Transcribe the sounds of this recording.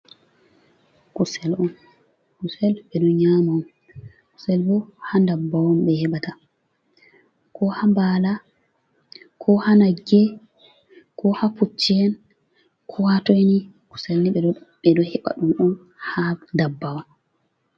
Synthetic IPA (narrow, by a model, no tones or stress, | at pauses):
kusɛlɔn | kusɛlɓɛɗɔɲamaɔm | ku̥sɛlbɔhandabːawɔmɓɛhɛɓata | kʰɔhambala | kʰɔhanaɡɛ | kɔhaput͡ʃːiɛn | kʰɔhatojni | ku̥sɛlniɓɛɓɛdɔhɛɓa̰ɗumɔn | handabːawɔn